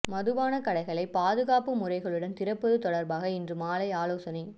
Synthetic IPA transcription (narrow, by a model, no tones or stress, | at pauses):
mɐðɯʋaːnɐkɐɽɐɪɣɐɭɐɪpaːðɯɣaːpɯmʊrɐɪɣɐɭɯɽɐnt̪ɪɾɐpːɯðɯt̪ɔɽɐɾbaːɣɐɪndrɯmaːlɐɪaːloːsɐnɐɪ